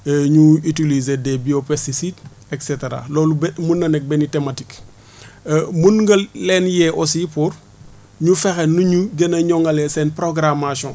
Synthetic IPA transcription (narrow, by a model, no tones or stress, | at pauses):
ɲuitilizedɛbiopɛstisid | ɛkseteɾa̰lɔːlumunːɐnɛk̚bɛnitematikː | munŋɡɐlɛːnjɛʔɔsipuɾ | ɲufɛxɛnːuɲuɡenɐɲɔŋɡɐlɛsɛnpɾoɡɾamasɔ̃